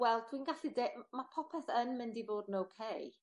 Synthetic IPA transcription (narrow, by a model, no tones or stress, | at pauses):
wɛlˠtʰwinɡaɬidemapʰɔpʰɛθənmɪndivoːdnowkʰej